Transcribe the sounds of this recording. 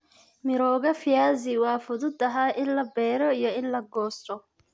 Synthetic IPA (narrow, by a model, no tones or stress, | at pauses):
mɪɾɔːɣɐfɪjaːzɪwɑːfʊðʊd̪ɐɦaːʔɪnlɐbɛːɾɔijɔɪnlɐɡɔːst̪ʰɔ